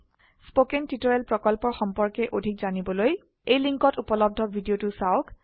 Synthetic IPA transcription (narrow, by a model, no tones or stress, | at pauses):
spokɛntitoɹɛlpɹɔkɔlpɔɹxɔmpɔɹkɛʔodʱikzanibɔloj | ejliŋkɔtupɔlɔb̚dʱɔbʱidijotʊsaʊk